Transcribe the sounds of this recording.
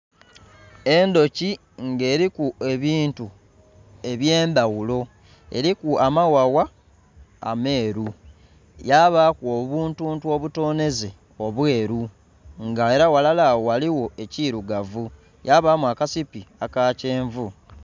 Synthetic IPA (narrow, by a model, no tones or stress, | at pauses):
e̞ndo̞ci | ŋɡe̞ːɾikue̞βiːntu | e̞βje̞ːmbawulo̞ | e̞̰ɾikuamawawa̰ː | me̞ːɾu | jaβakuoβuːntuːntuo̞βuto̞ːne̞ze̞ | o̞βwe̞ːɾu | ŋɡae̞ɾawalalaːwowaliwo̞e̞ciɾuɡavu | jaβamuakasipiakaːce̞ːɱvu